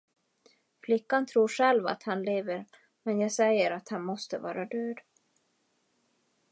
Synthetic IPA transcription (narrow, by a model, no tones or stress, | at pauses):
flɪkːant̪ʰɾuːʂɛlva̰t̪hanleːvəɾ | mɛnjaːɡsɛjːəɾat̪hanmɔst̪əvɑ̰ːɾad̪øːd̪